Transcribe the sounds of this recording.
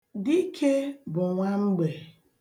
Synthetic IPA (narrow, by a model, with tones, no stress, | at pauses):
di˦kʰe˦bʊ˨ŋʷa˦ŋ͡m̩˦ɡ͡be˨